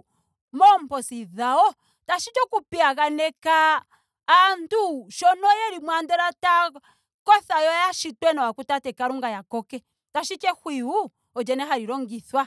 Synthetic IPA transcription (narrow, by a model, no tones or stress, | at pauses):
mɔm̩pɔsiðaɔ | taʃit͡ʃɔkupiaɣanɛkaː | ntuʃɔnɔjɛɾimwandɔɾata | kɔθajɔjaʃitwɛnawakutatɛkaɾuŋɡajakɔkɛ | taʃit͡ʃɛhwiu | ɔd͡ʒɛnɛɦaɾiɾɔŋɡiθwa